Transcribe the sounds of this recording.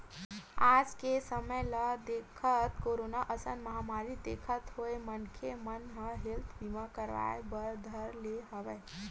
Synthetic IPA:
aːd͡ʒkesəməjləd̪eːkʰət̪koːɾoːnaʔəsə̃nmɐɦamaːɾid̪eːkʰət̪ɦoemənkʰemənɦəɦɪlt̪ʰbimakəɾʋa̰ːebəɾd̪ʱəɾleɦəʋeː

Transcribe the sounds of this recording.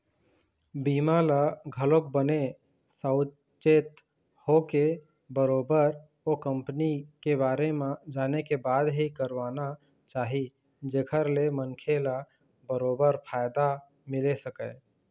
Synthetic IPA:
biːmalaɡʱəlok̚bəne | səʊ | t͡ʃet̪ | hoke | bəɾoːbəɾ | okə̃mpnikebaːɾemẽd͡ʒaːnekebaːd̪ɦikəɾʋaːna | t͡ʃaːɦi | d͡ʒeːkʰəɾlemənkʰela | bəɾoːbəɾpʰaːjd̪a | mɪlesəkə

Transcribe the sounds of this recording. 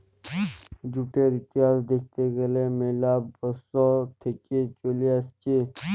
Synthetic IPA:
d͡ʒuʈeɾɪt̪iaːzd̪ek̚ʰt̪eɡɐlemelaːbəsɔt̪ʰekit͡ʃoːliast͡ʃi

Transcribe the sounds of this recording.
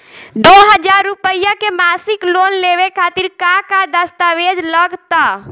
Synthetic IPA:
d̪oɦəd͡ʒaɾːupəjakemasiklonleβekʰat̪iɾkakad̪əst̪aʋed͡ʒləɡt̪ə

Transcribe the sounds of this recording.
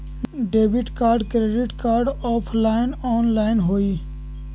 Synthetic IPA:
ɖeːbɪʈkaːɾɖkɾeːɖɪʈkaːɾɖɔːpʰlaːɪnɔːnlaːɪnɦoːiː

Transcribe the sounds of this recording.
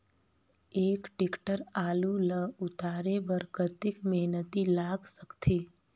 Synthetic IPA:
eːkʈɪkʈəɾaːluləʊt̪aːɾebəɾɡət̪ɪkmɛɦnət̪ilaːɡsəkt̪ʰeː

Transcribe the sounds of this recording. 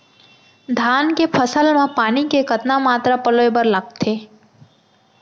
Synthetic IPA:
d̪ʱaːnkepʰəsəlmẽpaːnikekət̪namaːt̪ɾapəloebəɾləɡ̚t̪ʰeː

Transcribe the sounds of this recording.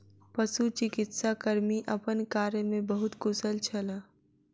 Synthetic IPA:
pəsut͡ʃɪkɪt̪sakəɾmiʔəpənkaːɾjəmẽbəɦʊt̪kʊsəlt͡ʃʰɐlaː

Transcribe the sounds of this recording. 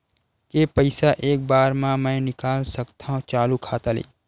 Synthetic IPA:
kepəɪsaʔeːk̚baːɾmãmɛ̃nɪkaːlsəkt̪ʰãɦõt͡ʃaːlukʰaːt̪alḛː

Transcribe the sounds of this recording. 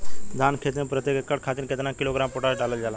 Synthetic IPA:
d̪ʱaːnkʰeːt̪mẽpɾət̪jekekːəɽkʰaːt̪iɾket̪nãːkiloːɡɾaːmpoʈaːɾeɖaləld͡ʒaːla

